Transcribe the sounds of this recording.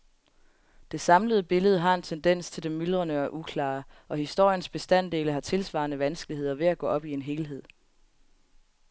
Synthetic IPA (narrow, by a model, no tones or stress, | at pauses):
d̥e̝sɑ̈mləð̞̩ˠəb̥e̝ləð̞ˠəɦɑ̈e̝nt͡sʰend̥en̰st͡sʰe̝ld̥emːyl̥ʁɐnəɒʔukʰlɑ̰̈ːʔɒ̽hisd̥o̝ɐ̰jənsb̥e̝sd̥æn̰d̥e̝ːləɦɑ̈t͡sʰe̝lsʋɑ̰̈ːnəʋænsɡ̥əlihe̝ð̞̰ˠɐʋe̝æɡ̥ɔ̰ːɒ̽b̥ie̝nɦe̝ːlɦe̝ð̞̰ˠ